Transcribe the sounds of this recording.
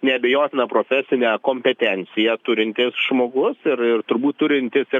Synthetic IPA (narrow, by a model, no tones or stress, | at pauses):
nʲɛɐbʲɛjoːt̪ʲɪnɐpɾoːfʲɛsʲɪnʲɛkoːmʲpʲɛt̪ʲɛnʲsʲɪjɛt̪ʊɾʲɪnʲt̪ʲɪsʒmoːɡʊsɪrɪrt̪ʊɾbuːt̪t̪ːʊɾʲɪnʲt̪ʲɪsɪ